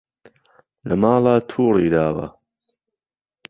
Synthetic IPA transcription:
lɐmaːlaːt̪ʰuːɾiːd̪aːwɐ̰

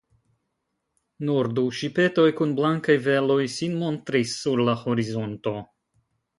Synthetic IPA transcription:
nuɾduʃipe̞to̞jkunblaŋkajve̞lo̞jsinmo̞ntɾisːuɾlaho̞ɾizo̞nto̞

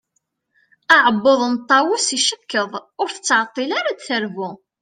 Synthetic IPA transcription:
aʕəbːoðˤənt̪ˤːɑwʊsiʃəkːəðˤʊɾθə̥t͡sːʕɑt̪ˤːilaɾad̪θəɾvʊ

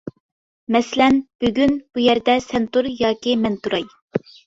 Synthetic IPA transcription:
mɛsɪlɛnb̥yɡʲynb̥ujæɾd̪ɛsɛnt̪uɾjɑːkʲimɛnt̪uɾɑj

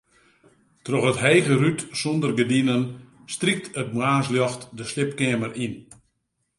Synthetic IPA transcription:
trɔxətɦejɣərytsondərɡədinən | strik̚tʰət̚maːs̬ljɔxtdəslɪpkɪmərʔin

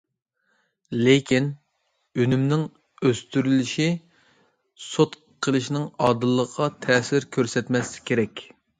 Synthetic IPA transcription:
lekʲʰin | ynymnɪŋ | øst̪yɾylɪʃi | sot̪ | qʰəlˠɨʃnɪŋɑːd̪ɨlˠːəqʰɑt̪ʰɛːsɪɾkʲʰøɾsɛt̪mɛsɪ̥kʲʰeɾɛkʲ

